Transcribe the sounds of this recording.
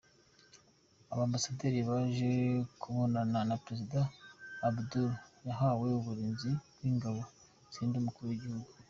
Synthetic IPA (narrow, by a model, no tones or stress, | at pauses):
aβaːmbasade̞ːɾiβaʒe̞kʰuβo̞nananapɾe̞zidaːbduljaɦawe̞uβuɾiːnzibɡwiːŋɡaβo̞ | z̥iːndumukuɾuwiɟihuɡu